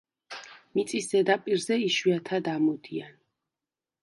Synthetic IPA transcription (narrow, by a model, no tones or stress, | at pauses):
mit̪sʼisd̪ɛd̪apʼiɾzɛiʃwiat̪ʰad̪amɔd̪ian